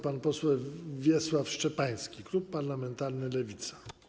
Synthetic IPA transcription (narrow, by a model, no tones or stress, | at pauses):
panpɔswɛwvʲjɛswafʂt͡ʂɛpaj̃skʲikɾupːaɾlamɛnt̪aɾnɘlɛvʲit̪sḁ